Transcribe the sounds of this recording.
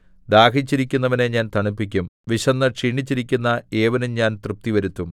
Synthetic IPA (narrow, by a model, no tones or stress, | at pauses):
d̪aːkit͡ɕːiɾikʲːun̪ːɐʋɐneɲaːnt̪ɐɳupːik̬ʲːumʋiɕɐnːɐʂiːɳit͡ɕːiɾikʲːunːɐeːʋɐnumɲaːnt̪rɨp̚t̪iʋɐɾut̪ːum